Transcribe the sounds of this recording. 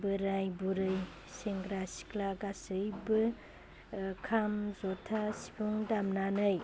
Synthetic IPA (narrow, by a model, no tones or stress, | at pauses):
bɯɾajbuɾɯj | seŋɡɾasi̥klaɡasɯjbɯ | kʰamzɔtʰasi̥pʰuŋdamnanɯj